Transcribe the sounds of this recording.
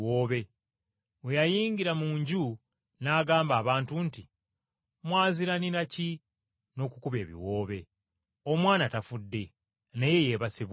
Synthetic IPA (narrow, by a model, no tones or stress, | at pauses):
woːβe̞ | wejajiːɲɟiɾamuːɲɟu | naːɡaːmbaːβaːntunti | mwaːziɾaniɾaci | no̞ːkukuβe̞ːβḭwo̞ːβe̞ | o̞mwaːnatafudːe̞ | neje̞je̞βasiβ